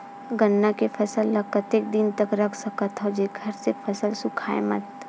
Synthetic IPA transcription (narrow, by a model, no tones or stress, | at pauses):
ɡənːakepʰɐsəlːɐkːət̪eːk̚d̪int̪ɐkɾɐkʰsɐkət̪ɦod͡ʒeɡʱɐɾsepʰɐsəlsʊkʰaːḛmɐ̰t̪